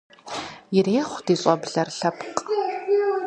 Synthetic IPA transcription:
jɪɾeːχʷd̥iːɕʼɔbɮɐrɬɐpqʼ

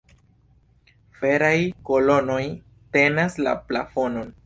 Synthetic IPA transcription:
fe̞ɾajko̞lo̞no̞j | te̞nasla̰pla̰fo̞no̞n

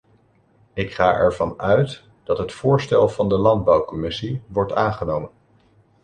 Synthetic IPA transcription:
ɪkχaːʔɛ̰ɹv̥ɑnœɥt | d̥ɑtɦətfʊːɹstɛlˠvɑndəlɑnd̚bɑwkɔmɪsiʋɔɹtaːnχənowmən

